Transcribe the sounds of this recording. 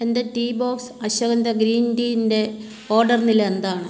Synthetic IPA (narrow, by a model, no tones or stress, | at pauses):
end̪eʈiːbo̞ːksɐɕɐɣɐnd̪ɐɡɾiːndiːinde̞ | o̞ːrɖɐrnilɐend̪aːɳɨ